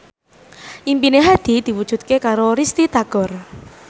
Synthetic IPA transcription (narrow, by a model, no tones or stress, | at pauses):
ʔimpineɦad̪̥i̤d̪̥i̤wud̥ʒ̥ṳt̪̚kekaɾoɾist̪it̪aɡ̥ɔ̤r